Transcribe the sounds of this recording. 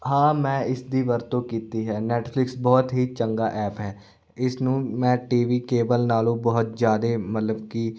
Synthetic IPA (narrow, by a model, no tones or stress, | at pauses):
ɦãːmɛ̃ːɪsd̪iːʋəɾt̪õːkiːt̪iːɦɛːnɛːʈpʰlɪksbɔːt̪ɦiːt͡ʃəŋɡaːʔɛːpɦɛː | ɪsnũːmɛ̃ːʈiːʋiːkeːbəlnaːlõːbɔɦʊt̪zjaːd̪eːmət̪ləbkiː